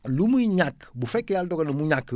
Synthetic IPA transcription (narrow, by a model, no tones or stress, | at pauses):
lumuiɲakbufɛkejaldɔɡanumuɲak